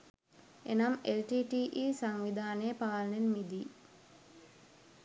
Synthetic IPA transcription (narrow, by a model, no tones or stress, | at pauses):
enamelʈiːʈiːʔiːsaŋʋid̪aːnejəpaːlnenmid̪iː